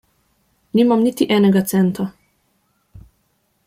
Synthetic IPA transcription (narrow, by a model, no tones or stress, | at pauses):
niːmamnit̪iʔɛːnɛɡat̪sɛnt̪a